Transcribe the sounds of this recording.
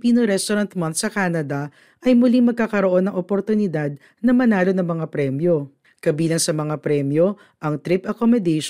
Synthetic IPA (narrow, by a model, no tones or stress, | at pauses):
piːnoɾɛst̪oɾɐnt̪̚mɐnt̪sɐkaːnɐd̪ɐ | ʔɐjmʊliŋmɐɡ̚kaːkɐɾoʔo̞nːɐŋʔopoɾt̪ʊnɪd̪ad̪̚ | nɐmɐnaːlo̞nɐŋmɐŋapɾɛmjo̞ | kɐbiːlɐŋsɐmɐŋapɾɛmjo̞ | ʔɐŋt̪ɾɪpʔɐkomod̪ɛʃ